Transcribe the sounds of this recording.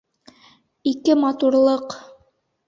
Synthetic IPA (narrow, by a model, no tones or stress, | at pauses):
ikɘmɑt̪uɾlˠɤq